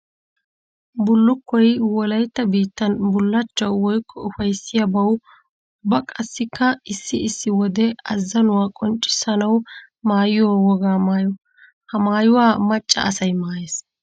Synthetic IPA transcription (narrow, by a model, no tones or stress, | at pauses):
bʊlːʊkːɔjwɔlɐjt̪ːɐbiːt̪ːɐnbʊlːɐt͡ʃːɐwwɔjkʰːɔʊfɐjsːɪjɐbɐw | bɐkʼɐsːɪkʰːɐɪsːɪɪsːɪwɔd̪ɛɐzːɐnʊwaːkʼɔnt͡ʃʼːɪ̥sɐnɐw | maːjɪjɔwɔɡaːmaːjɔ | hɐmaːjʊwaːmɐt͡ʃʼːɐ̰ɐsɐjmaːjeːs